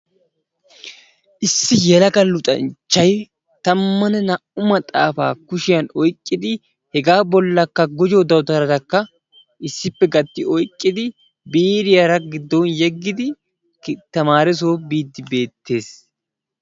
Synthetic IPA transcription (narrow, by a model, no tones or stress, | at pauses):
ʔɪsːɪjɛlɐkɐlːʊt̪ʼɐ̰nt͡ʃːɐj | t̪ɐmːɐnɛnɐʔʊmɐt̪ʼaːfa̰ːkʊʃɪjɐnɔjkʼːɪd̪ɪ | hɛɡaːbɔlːɐkːɐɡʊd͡ʒoːd̪ɐwt̪ɐɾɐd̪ɐkːɐ | ʔɪsːɪpːɛɡɐt̪ːɪɔjkʼːɪd̪ɪ | biːɾɪjɐɾɐɡɪd̪ːonjɛɡːɪd̪ɪ | t̪ɐmaːɾɪs̬o̞ːbiːd̪ːɪbe̞ːt̪ʰːe̞ːs